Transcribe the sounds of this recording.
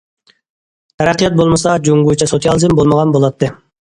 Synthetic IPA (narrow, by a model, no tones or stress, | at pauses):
t̪ʰɛɾæqʰːijɑt̪̚bolˠmɨsɑd͡ʒoŋɡut͡ʃʰɛsot̪ʰijɑlˠɨzɨmbolˠməʁɑnbolˠɑt̪ʰːɨ